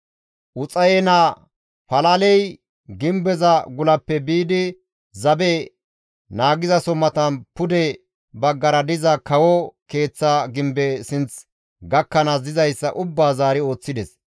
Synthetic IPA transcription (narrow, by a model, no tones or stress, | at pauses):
ʔʊt͡sʼɐjɛna | pɐlɐlɛj | ɡɪmbɛzɐɡʊlɐpːɛbiːd̪ɪ | zɐbɛ | naːɡɪzɐsɔmːɐt̪ɐnpʊd̪ɛ | bɐɡːɐɾɐd̪ɪzɐkɐwɔke̞ːt͡sːaɡɪmbɛsɪnt͡s | ɡɐkːɐnɐzɪzɐjsːɐʔʊbːaːzaːɾɪo̞ːt͡sːɪd̪ɛs